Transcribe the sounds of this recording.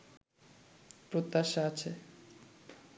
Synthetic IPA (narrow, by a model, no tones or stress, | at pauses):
pɾot̪ːaʃaat͡ɕʰe